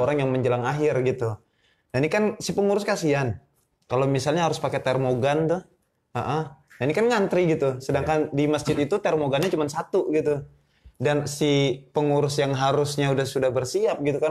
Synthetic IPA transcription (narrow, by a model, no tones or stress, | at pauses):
oɾaŋjaŋməɲd͡ʒəlaŋaɦɪrɡit̪u | nainikansipəŋuɾʊskasian | kalomisalɲaɦaɾʊspaket̪ɛrmoɡant̪ʊh | aʔədainikanŋant̪ɾiɡit̪usədaŋkandiməsd͡ʒɪt̪it̪ut̪ɛrmoɡanɲat͡ʃumansat̪uɡit̪u | dansipəŋuɾʊsjaŋɦaɾʊsɲaudahsudahbərsiap̚ɡit̪uka